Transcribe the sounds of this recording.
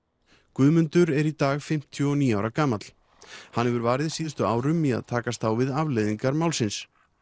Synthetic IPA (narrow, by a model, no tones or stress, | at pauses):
kvʏðmʏnt̪ʏɾɛɾit̪aːɣfɪm̥t̪ʰjʏɔniːawɾakaːmat̪l̥ | hanhɛvʏɾvaːɾɪðsiːðʏst̪ʏaːwɾʏmːia̰ðt̪ʰaːkast̪θawvɪðavlɛjðiŋkaɾmaːwlsɪns